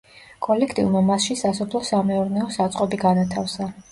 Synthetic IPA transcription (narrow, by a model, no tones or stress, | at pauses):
kʼɔlɛkʰt̪ʼḭvmamasʃisasɔpʰlˠɔsamɛɔɾnɛɔsat̪sʼqʼɔbiɡanat̪ʰafsa